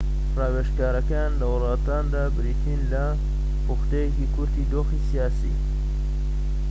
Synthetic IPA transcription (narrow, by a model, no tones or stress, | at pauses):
rɑːweʃkaːɾɐkɐjaːnlɐwʊlˠɑːt̪aːnd̪aːbɪɾit̪ʰinlɐ | pʊxt̪ejekikʰʊɾt̪iːd̪oːxisijaːsḭː